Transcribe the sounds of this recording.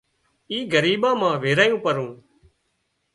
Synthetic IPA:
iːɡəɾiːɓãːmãːʋeːɾaːjũːpəɾũː

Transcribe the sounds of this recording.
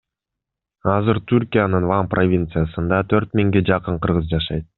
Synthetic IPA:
ɑzɯɾt̪ʰyɾkʲijanɯnvamprʔo̞vʲint̪sɨjasɯnd̪ɑt̪ʰøɾt̪mʲiŋɡed͡ʒɑqɯɴqɯɾʁɯzd͡ʒɑʃɑjt̪̚

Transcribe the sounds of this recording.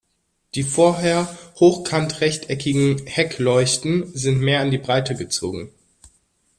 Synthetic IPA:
d̥iːfoːɐɦeːɐhoːxkʰantʁɛçtʰʔɛkɪɡŋ̩hɛklɔʏçtn̩zɪntmeːɐandiːbʁaɪtəɡət͡so̰ːɡŋ̩

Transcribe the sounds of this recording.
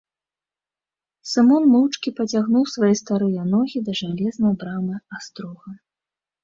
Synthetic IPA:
sɨmɔnmɨwt͡ʂkʲipɐt͡sʲaɣnuwsvajɛst̪aɾɨjɐnɔɣʲid̪ɐʐalʲɛznɐjbɾamɨast̪ɾɔɣɐ

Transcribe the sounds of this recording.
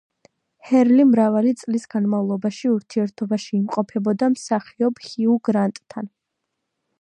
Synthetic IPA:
hɛɾlimɾavalit̪sʼlisɡ̥anmavlˠɔbaʃiuɾt̪ʰiɛɾt̪ʰɔbaʃiːmqʼɔpʰɛbɔd̪amsaχiɔbhiuɡɾant̪ʼt̪ʰːan

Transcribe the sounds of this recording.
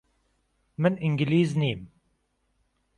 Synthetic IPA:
məniŋɡliːzniːm

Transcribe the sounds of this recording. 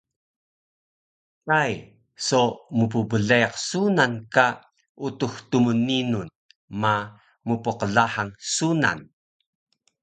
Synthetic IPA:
kaj | somupubəɮejaqsunanka | ʔutuxtumuninun | ma | mupuqəɮaħaŋsuna̰n

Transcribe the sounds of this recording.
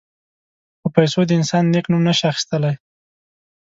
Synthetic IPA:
əpajsod̪əɪnsɑnːeknumnəʃaxi̥st̪əlaj

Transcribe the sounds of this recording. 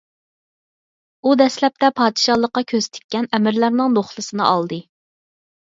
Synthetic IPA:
ud̪ɛslɛp̚t̪ɛpʰɑːd̪ɨʃɑlˠəqːɑkʲʰøzt̪ʰɪ̥kʲːɛnɛmɪɾlæɾnɪŋnoχlˠɨsɨnɨ̰ʔɑlˠd̪ɨ

